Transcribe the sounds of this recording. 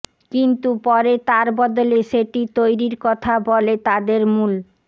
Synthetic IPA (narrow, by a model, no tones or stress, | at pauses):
kint̪upɔɾet̪aɾbɔd̪oleʃeʈit̪ojɾiɾkɔt̪ʰabɔlet̪ad̪eɾmul